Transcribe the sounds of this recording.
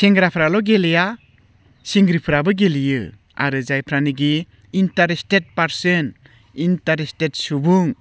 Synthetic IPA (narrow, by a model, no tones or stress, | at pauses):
seŋɡɾapʰɾalɔɡeleja | siŋɡɾipʰɯɾabɯɡelijɯ | a̰ɾɯzajpʰɾaniɡi | intaɾestet̚paɾsɯn | intaɾestetsubuŋ